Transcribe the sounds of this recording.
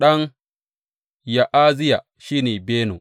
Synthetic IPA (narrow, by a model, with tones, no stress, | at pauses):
ɗɐ˦ŋ | ja˨ʔaː˦zɪ˦ja˨ | ʃiː˦neː˨beː˦no̰˨